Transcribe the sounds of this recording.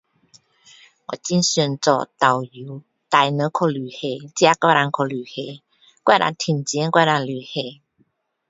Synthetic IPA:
wɔ̰˨˩t͡ɕi˧˦nɕɛ˨˧˩nt͡sɔ̰˨˧˩t̪a˨˩wju˨˦ | t̪a˧jnə˨˧˦kʰo˧˩ly˨˩he˨˧˩t͡ɕja˧˦ka˧˩ɾa˧nkʰo˧ly˨˩he˧˦ | kwa˥˧ɾa̰˧nt̪ʰi˨˩nt͡ɕjɛ˧˥˦nkwa˥˧˨ɾa˧nly˨˩he˧˩

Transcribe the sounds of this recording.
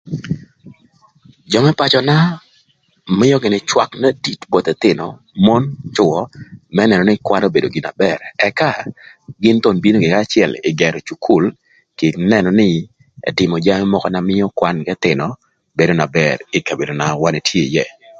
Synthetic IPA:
d͡ʒɔ˨mɛ˦pa˨t͡ʃɔ˨na˦ | mɪ˦jɔ˦ɡɪ˨nɪ˨t͡ʃwa˦kna˦di˦tbɔ˨t̪ɛ˨t̪ɪ˨nɔ̰˨ | mɔ˦nt͡ʃʊ˨wɔ˦mɛ˦nɛ˨nɔ˨nɪ˦kwa˦no˦be˨do˨ɡɪ˨na̰˨bɛ˨ɾɛ˨ka˦ɡɪ˦nt̪o˦˨nbi˦no˦ɡɪ˨ka˦˨t͡ʃɪɛ˨lɪ̰˨ɡɛ˨ɾɔ˨t͡ʃu˨kʰu˦˨l | kɪ˨nɛ˨nɔ˨nɪ˦ | ɛ̰˨tɪ˨mɔ˨d͡ʒa˦mɛ˦mɔ˦kɔ˦na˨mɪ˦jɔ˦kwa˦nɡɛ˦t̪ɪ˨nɔ˨ | be˨do˦na˨bɛɾɪ˦ka˨be˨do˨na˨wa˦ne˨tʰje˦˨jɛ˨

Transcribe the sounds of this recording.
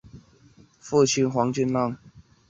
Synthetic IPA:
fu˥˨t͡ɕʰi˥˩nxwɑ˧˥ŋt͡ɕy˥˧˨nlɑ˥˨ŋ

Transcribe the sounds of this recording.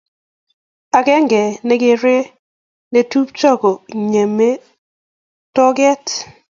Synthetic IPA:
a˨ɡɛ˦ŋɡɛ˨nɛ˦ɡɪ˦ɾe˦ | ne˦tu˦p̚t͡ʃɔ˦ko˨ɲe˨me˦ | tɔ˦ɡɛ˦t

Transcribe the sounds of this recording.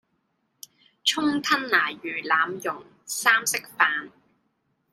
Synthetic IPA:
t͡ʃʰʊ˥ŋt̪ʰɐ˥nlaː˨˩jjyː˨˩laː˨˧mjʊ˨˩ŋ | saː˥msɪ˥k̚faː˨˧n

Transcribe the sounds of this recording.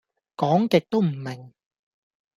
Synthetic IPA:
kɔː˨˥ŋkɪ˨k̚t̪o˥wm̩˨˩mɪ˨˩ŋ

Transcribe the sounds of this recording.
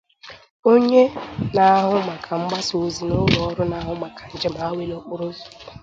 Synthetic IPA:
o˦ɲe˦na˨a˦ɦʊ˦ma˨kʰa˨ŋ͡m̩˦ɡ͡ba˦so˨˦zi˨nʊ˦lɔ˨ɔ˦ɾʊ˦na˨a˦ɦʊ˦ma˨kʰa˨n̩˨d͡ʒe˦m˨a˦we˦lo˦k͡pʊ˦ɾo˦zu̥˨

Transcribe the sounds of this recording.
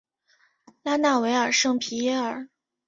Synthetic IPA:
la˥na˥˩we˧˥ɪə˞˨˩ʂɤ˥˩ŋpʰi˧˥jɛ˥˩ə˞˨˩˦

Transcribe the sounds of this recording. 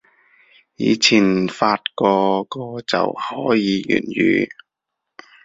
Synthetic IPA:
jiː˨˧t͡sʰiː˨˩nfaː˧t̚kɔː˧kɔː˧t͡sɐ̰˨whɔː˨˥jiː˨˧jy̰ː˨˩njyː˨˧

